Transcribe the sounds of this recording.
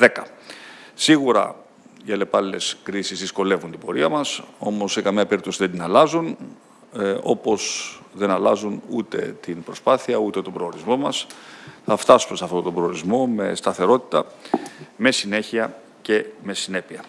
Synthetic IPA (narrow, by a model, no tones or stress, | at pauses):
ðe̞kɐ | siɣuɾɐ̰ | iɐle̞pɐlile̞skɾisizðisko̞le̞vunt̪ibo̞ɾiɐmɐso̞mo̞sːe̞kɐmiɐpe̞ɾip̚t̪o̞siðe̞nd̪inɐlɐzun | o̞po̞sðe̞nɐlɐzunṵt̪e̞̰t̪inbɾo̞spɐθiɐut̪e̞t̪o̞bɾo̞oɾizmo̞mɐsθɐft̪ɐsume̞sɐft̪ot̪obɾo̞oɾizmo̞me̞̰st̪ɐθe̞ɾo̞t̪i̥t̪ɐ | me̞sine̞çiɐ | ce̞me̞sine̞piɐ